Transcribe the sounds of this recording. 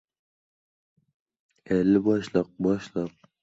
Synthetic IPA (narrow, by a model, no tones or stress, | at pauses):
ɛlːɪbɒʃlˠəq̚bɒʃlˠəq̚